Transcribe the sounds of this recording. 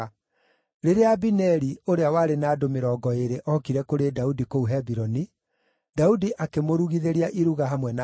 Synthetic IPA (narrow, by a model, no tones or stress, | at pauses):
ɾeɾeabinɛɾioɾeawaɾenaːdomeɾɔɡɔeɾeʔɔkiɾɛkoɾedaudikouɦɛbiɾɔni | daudiʔakemoɾuɣiðeɾiaʔiɾuɣaɦamwɛna